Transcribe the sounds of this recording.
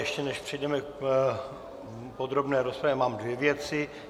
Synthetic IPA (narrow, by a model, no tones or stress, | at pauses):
jɛʃcɛnɛʃpr̝̥ɪjdɛmɛk | pod̪ɾo̞bnɛːɾospɾavjɛmaːmdvjɛvjɛt͡sɪ